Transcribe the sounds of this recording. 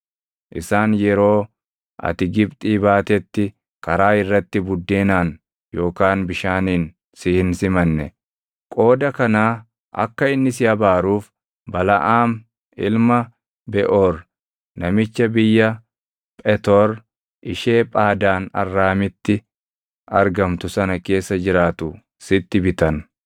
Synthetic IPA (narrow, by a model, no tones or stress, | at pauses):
ʔɪsaːnjɛɾo̞ː | ʔɐ̰t̪ɪɡɪbt̪ʼiːbaːt̪ɛt̪ːɪ | kɐɾaːɪrːɐt̪ːɪbʊd̪ːeːnaːn | jo̞ːkaːnbɪʃaːniːn | sɪhɪnsɪmɐnːɛ̰ | kʼo̞ːd̪ɐkɐnaː | ʔɐ̰kːɐɪnːɪsɪjɐbaːɾuːf | bɐlɐ̰ʔaːm | ɪlmɐ | bɛʔoːɾ | nɐmɪt͡ʃːɐbɪjːɐ | pʼɛt̪ɔɾ | ʔɪʃe̞ːpʼaːd̪aːnɐ̰rːaːmɪt̪ːɪ | ɐɾɡɐmt̪ʊsɐnɐke̞ːsːɐd͡ʒɪɾaːt̪ʊ | sɪt̪ːɪbɪt̪ɐn